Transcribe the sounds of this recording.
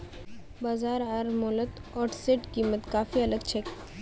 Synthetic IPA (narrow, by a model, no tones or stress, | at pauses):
baːzaːɾaɾmɔlət̪ɔːʈseʈkiːmət̪kaːfiɐləɡt͡ʃʰek